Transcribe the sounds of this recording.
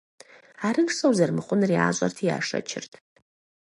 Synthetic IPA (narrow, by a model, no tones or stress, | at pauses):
aɾɨnʂsowzarmɨχʷʊnria̰ʒʷʼa̰rtʰia̰ʂa̰t͡ʃʰɪ̰rtʰʼ